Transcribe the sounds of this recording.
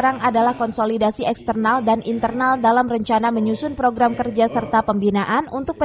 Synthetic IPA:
ɾaŋadalahkɔnsolidasiɛkst̪ərnaldanʔint̪ərnaldalamrəɲt͡ʃanaməɲusʊnpɾoɡɾamkərd͡ʒasərt̪apəmbinaʔanunt̪ʊk̚pə

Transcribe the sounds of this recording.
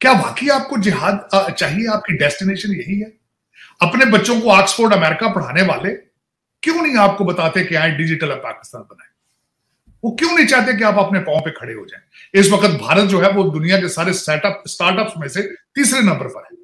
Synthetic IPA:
kjaːʋa̰ːkiaːp̚kod͡ʒɪɦaːd̪t͡ʃaːɦieaːp̚kiɖɛːsʈineːʃənjɐɦiɦɛː | ɐpnebɐtːʃõkoaːksfoːɾɖɐmɛːɾɪkapɐɽ̤aːneʋa̰ːle | kjõːnɐ̃ɦĩaːp̚kobɐt̪aːt̪eẽkeãːẽɖɪd͡ʒɪʈəlɔːɾpa̰ːkɪ̥st̪aːnbɐna̰ːẽ | ʋoːkjõːnɐ̃ɦĩt͡ʃaːɦt̪̬ẽk̬eaːpɐpnepãːõpekʰɐɽeɦo̰d͡ʒã̰ːẽɪsʋɐkət̪̚bʱaːɾət̪̚d͡ʒoːɦɛʋod̪ʊnijãk̬esaːɾesɛːʈəpsʈaːɾʈəpsmẽset̪iːsɾenɐ̃mbəɾpəɾɦɛː

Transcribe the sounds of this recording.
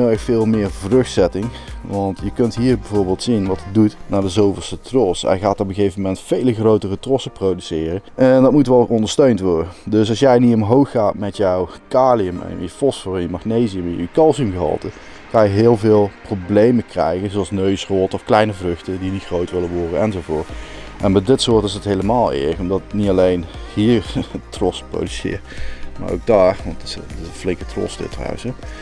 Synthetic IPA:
xfɪːlˠmɪːɹvrɵxtsɛtɪŋʋɑntjəkɵntɦiːɹbɛjvʊːɹbɪːlˠtsinʋɑtədutnaːdəzowvəsətrɔsɛ̰jɣaːtɔpəɣejvəmɛntfejləɣrowtərətrɔsəprowdysɪːrəʔndɑtmutʋɛlˠɔndəɹstøɥntʋɔɹdədøs̬ɑlsjɛjnitɔmɦowxːaːtmɛtjɔwkaːliəm̰jəfɔsfɔrɪnjəmɑxnejziəməkɑlˠsəmɣəɦɑ̰lˠtə | kɑnjəɦɪːlˠvɪːlˠproblejməkrɛ̰jɣənzowɑlˠsnøɥsroːtəɔfklɛjnəvrɵxtədinitxrowtʋɪləʋɔɹdənɛnzowvʊːtʔɛnbɛjdɪtsʊːɹtɪsətɦejləmaːlˠɪ̰ɹləkɔmdɑtnitɑlejnhiːrətrɔspro̰wdysɪ̰ːrma̰ːɹo̰wɡ̚daːrʋɑntɪsɪsflɪŋkətrɔ̰sdɪ̰tra̰wəsə

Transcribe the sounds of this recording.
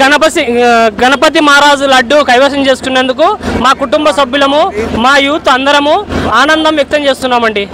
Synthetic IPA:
ɡɐnɐpɐsiɡɐnɐpɐt̪̬imaːɾaːd͡ʒulɐɐɖːukɐjʋɐːsɐmt͡ʃe̞ːsu̥t̪unːend̪ukumaːkuʈumbɐsɐbjulɐmumaːjuːt̪ɐnd̪ɐɾɐmuaːnɐnd̪ɐmʋjɐk̚t̪ɐmt͡ʃe̞ːst̪unːaːmɐɳɖi

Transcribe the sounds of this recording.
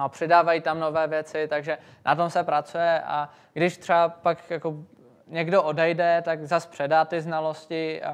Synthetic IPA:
apr̥ɪdaːvajiːt̪amno̞vɛːvjɛt͡sɪt̪aɡʒɛ | nʔat̪o̞msɛpɾat͡sujɛʔa̰ | ɡdɪʃt̪r̥ɛapakjako | ɲɛɡdo̞ʔodɛjdɛt̪aɡzaspr̥ɛdaːt̪ɪznalo̞scɪa̰

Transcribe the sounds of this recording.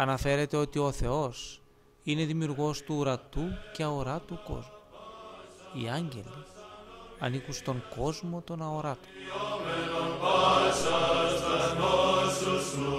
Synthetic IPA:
ɐnɐfe̞ɾe̞t̪e̞o̞t̪io̞θe̞o̞s | ine̞ðimiuɾɣo̞st̪uːɾɐt̪uce̞ɐoɾɐt̪uko̞̰zmu | iɐɲɟe̞̰li | ɐnikust̪o̞ŋko̞zmo̞t̪o̞nɐo̞ɾɐt̪o̥

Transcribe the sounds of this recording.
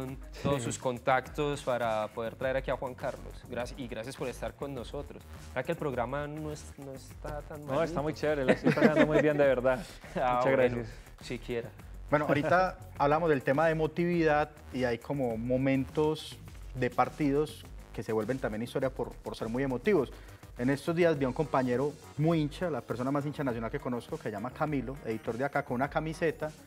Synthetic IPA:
ont̪oðosusko̞nt̪akt̪ospaɾapo̞ðeɾt̪ɾae̞ɾakiaxwaŋkaɾlo̰sɡɾasjiɣɾasjaspo̞ɾest̪aɾko̞nːo̞so̞t̪ɾossɾakelpɾoɣɾamanos | noest̪at̪anmnoest̪amujt͡ʃeβeɾelasit̪aand̪omujbjend̪eβeɾd̪að | amut͡ʃaɣɾɾaeasojas | sikʰjeɾa | bwenoaaɾit̪aː | βlaβamozd̪elt̪e̞maðemo̞t̪iβiðað | iajkʰo̞mo̞momẽ̞nt̪o̞s | d̪e̞paɾt̪iðo̞s | ke̞se̞βwe̞lbe̞nt̪ambjenist̪o̞ɾjapoɾpoɾse̞ɾmuje̞mo̞t̪iβo̞s | e̞ne̞st̪ozd̪iazbjiauŋko̞mpaɲe̞ɾo̞ | mujint͡ʃalapeɾso̞namas̬int͡ʃanas̬jonalke̞ko̞no̞sko̞keseʝamakamilo̞e̞ðit̪o̞ɾd̪jakako̞nunakamise̞t̪a

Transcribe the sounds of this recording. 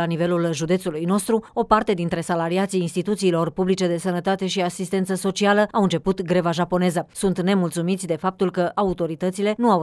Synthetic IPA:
anive̞lulʒud̪e̞t̪sulujno̞st̪ɾuo̞part̪e̞d̪int̪ɾe̞salaɾiat̪siːnst̪it̪ut̪siːlo̞rpublit͡ʃe̞d̪e̞sənət̪at̪e̞ʃiasist̪e̞nt̪səso̞t͡ʃialəawɨnt͡ʃe̞put̪ɡɾe̞vaʒapo̞ne̞zəsunt̪ne̞mult̪sumit̪sʲd̪e̞fap̚t̪ulkəʔaut̪o̞ɾit̪ət̪sile̞nuaw

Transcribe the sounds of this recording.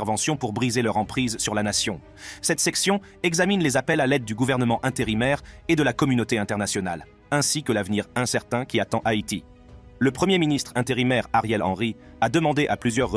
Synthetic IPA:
ɛʁvɑ̃sjɔ̃puʁbʁizelœʁɑ̃pχizsyʁlanasjɔ̃ | sɛt̪sɛksjɔ̃ | ɛɡzaminlezapɛlalɛd̪̚ːyɡuvɛʁnəmɑ̃ʔɛ̃t̪eʁimɛʁed̪əlakɔmynot̪eɛ̃t̪ɛʁnasjɔna̰l | ɛ̃sikəlavniʁɛ̃sɛʁt̪ɛ̃kʲiat̪ɑ̃ʔait̪i | ləpχəmjeminist̪χɛ̃t̪eʁimɛʁaʁjɛlɑ̰̃ʁiad̪əmɑ̃d̪eʔaplyzjœʁː

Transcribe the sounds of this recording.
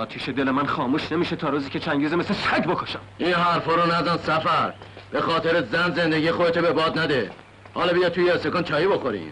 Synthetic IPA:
ɒːt̪ʰiːʃed̪e̞lemænχɒːmuːʃnemiːʃet̪ʰɒːɾuːziːkcʰet͡ʃʰæŋɟiːzemesesæɟbokʰoʃæmiːnɦæɾfɒɾonæzænsæfæɾ | b̥exɒːt̪ʰeɾezænzend̪eɡiːxoet̪ʰebebɒːd̪næd̪e | hɒːlɒbijɒːt̪̚t̪ʰːujeesekont͡ʃʰɒːjiboxoɾḭm

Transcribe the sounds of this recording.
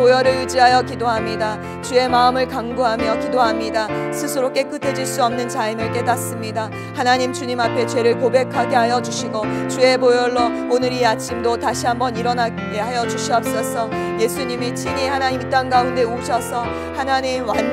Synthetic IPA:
pojʌɾɯɭjud͡ʑiɦajʌkidoɦamɲida | t͡ɕue̞maɯmɯɭkaŋɡuɦamjʌkidoɦamɲidasʰɯsʰɯɾok͈e̞k͈ɯtʰed͡ʑiɭs͈uʌmnɯnt͡ɕainɯɭk͈e̞das͈ɯmɲida | hanaɲimt͡ɕuɲimapʰe̞t͡ɕwe̞ɾɯɭkobe̞kʰaɡe̞ɦajʌd͡ʑuɕʰiɡot͡ɕue̞pojʌɭːo | onɯɾiat͡ɕʰimdotaɕʰiɦambʌniɾʌna | eɦajʌd͡ʑuɕʰiʌp̚s͈ʌsʰʌ | je̞sʰuɲimit͡ɕʰiɲihanaɲimt͈anɡaunde̞uɕʰʌsʰʌ | hanaɲimwan

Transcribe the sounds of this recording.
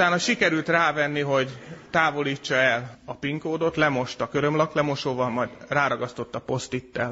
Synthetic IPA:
ut̪aːnɒʃikɛɾylt̪raːvɛnːiɦo̞ɟt̪aːvo̞liːt͡ʃːɒɛlɒpiŋkoːd̪o̞t̪lɛmo̞ʃt̪ɒkøɾø̞mlɒklɛmo̞ʃoːvɒlmɒjd̪raːɾɒɡɒst̪o̞t̪ːɒpo̞st̪it̪ːɛl

